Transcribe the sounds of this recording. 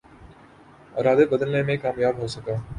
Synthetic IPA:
a̰ːɾaːd̪ebəd̪əlnẽmẽkaːmjaːbɦosəkaː

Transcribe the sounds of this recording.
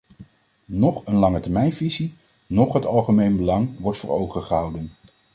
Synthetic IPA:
nɔχənlɑŋətɛɹmɛjnvizi | nɔχɦətɑlˠχəmejnbəlɑŋʋɔɹtfʊːɹowχəχəɦɑwdən

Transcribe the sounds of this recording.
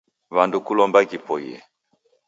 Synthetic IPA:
βandukulɔmbakipɔḭɛ̰

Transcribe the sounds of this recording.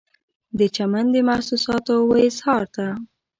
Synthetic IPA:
d̪ət͡ʃamand̪emasusɑt̪owajshɑɾt̪a

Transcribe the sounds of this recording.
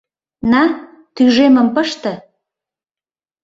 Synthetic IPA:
nɑ | t̪yʒemə̆mpəʃt̪ə̆

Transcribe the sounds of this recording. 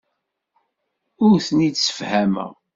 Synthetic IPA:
ʊɾθnidsə̥fhæmə̰ʁ

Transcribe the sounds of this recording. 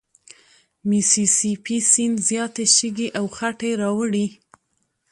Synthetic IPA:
misisipisinzjɑt̪eʃiɡiʔawxaʈeɾɑwəɽi

